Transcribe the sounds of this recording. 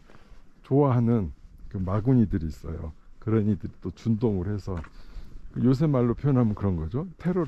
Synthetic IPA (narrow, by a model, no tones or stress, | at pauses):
t͡ɕoaɦanɯnkɯmaɡuɲidɯɾiːs͈ʌ̰jo̰kɯɾʌnidɯɾit͈ot͡ɕundoŋɯɾhe̞sʰʌkɯjos̬ʰemːaɭːopʰjojʌnɦamɯnkɯɾʌnɡʌd͡ʑotʰe̞ɾo